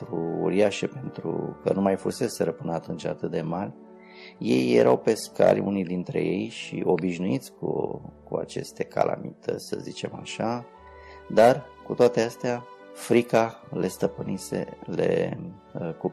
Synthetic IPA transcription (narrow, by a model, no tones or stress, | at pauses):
ɾuṵɾiaʃepe̞nt̪ɾukənumajfuse̞seɾəpɨnəat̪unt͡ʃat̪ɨt̪̚d̪emarʲ | je̞jːe̞̰ɾʔawpe̞ska̰lʲunijd̪int̪ɾe̞̰je̞jʃiʔo̞biʃnuit̪sʲkukua̰t͡ʃe̞st̪e̞kʰa̰lʔa̰mit̪ət̪sʲsəzit͡ʃe̞maʃa | d̪arkut̪oat̪east̪eafɾikale̞st̪əpɨnise̞̰le̞̰ | ku